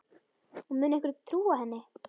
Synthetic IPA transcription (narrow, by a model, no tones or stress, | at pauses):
ɔmʏːnɛhk̬vɪɾt̪ʰɾuːahɛnːɪ